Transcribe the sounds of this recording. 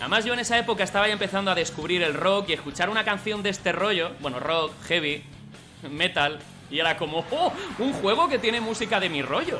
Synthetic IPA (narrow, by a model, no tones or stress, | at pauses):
a̰emazʝo̞e̞ne̞sae̞po̞kaest̪aβajaempe̞θand̪oaðe̞skuβ̞ɾiɾe̞lro̞kieskut͡ʃaɾunakanθjo̞nd̪e̞st̪e̞ro̞ʝo̞bwe̞no̰ro̞kxe̞β̞i | me̞t̪al | ie̞ɾako̞mo̞ouŋxwe̞ɣ̞o̞ket̪je̞ne̞musikaðe̞miro̞ʝo̞